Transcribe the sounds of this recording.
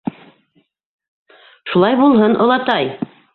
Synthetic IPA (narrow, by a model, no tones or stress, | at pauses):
ʃulˠɑjbulˠɦɤnʔŏlˠɑt̪ɑj